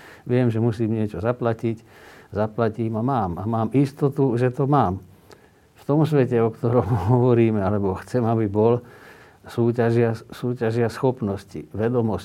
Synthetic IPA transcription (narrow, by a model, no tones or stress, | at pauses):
ʋɪɛmʒɛmusiːmɲɪɛt͡ʃɔzaplacic | zaplaciːmamaːmamaːmist̪ɔt̪uʒɛt̪ɔmaːm | ft̪ɔmsʋɛcɛɔkt̪ɔɾɔmɦɔʋɔɾiːmɛalɛbɔxt͡sɛmabibɔl | suːcaʒɪasuːcaʒɪasxɔpnɔsciʋɛd̪ɔmɔs